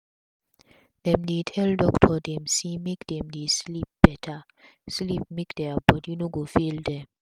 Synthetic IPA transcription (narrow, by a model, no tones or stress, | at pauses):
d̥ɛmdetʰɛldɔktʰɔdɛmsimekd̥ɛmdeslip̚b̥ɛtʰa | slip̚mekdɛabɔdjinoɡofildɛ